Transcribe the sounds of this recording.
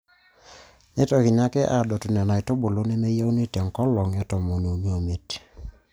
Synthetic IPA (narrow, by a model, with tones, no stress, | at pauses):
ne˦tɔ˨ki˨na˦kɛ˦ʔa˨dɔ˨tʊ˨nɛ˨na˨i˨to˦bo˨lo˦nɛ˦me˦ja˦u˦ne˦tɛ˨ŋkɔ˦lɔ˨ŋɛ˦tɔ˨mo˨no˨n˦o˨me˨t